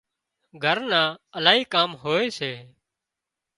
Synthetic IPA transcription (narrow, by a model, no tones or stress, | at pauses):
ɡʱəɾnãːəlaːɦiːkaːmɦoːeːseː